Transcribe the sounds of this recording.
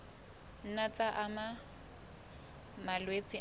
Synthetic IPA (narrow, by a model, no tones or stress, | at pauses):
n̩nat͡sʼaʔama | malwet͡sʼɪ